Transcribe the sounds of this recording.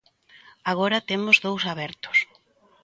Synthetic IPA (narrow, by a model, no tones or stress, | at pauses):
aɣ̞oɾɐt̪emʊzðowsaβɛɾt̪ʊ̥s